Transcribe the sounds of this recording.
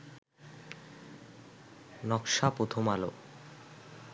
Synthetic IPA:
nɔkʃapot̪ʰomalo

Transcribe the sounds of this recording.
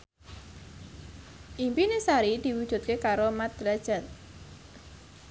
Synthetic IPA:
ʔimpinesaɾid̪̥i̤wudʒ̥ṳt̪̚kekaɾomad̪ɾad̥ʒ̥a̤t̪̚

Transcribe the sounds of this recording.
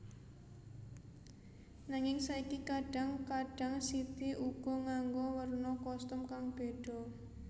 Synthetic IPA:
naŋɪŋsaikikaɖ̥a̤ŋkaɖ̥a̤ŋsit̪iʔuɡ̥ɔ̤ŋaŋɡowərnɔkɔst̪ʊmkaŋb̥eɖ̥ɔ̤

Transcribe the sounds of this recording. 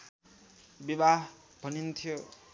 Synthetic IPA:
bibaɦ | bʱʌnint̪ʰijo

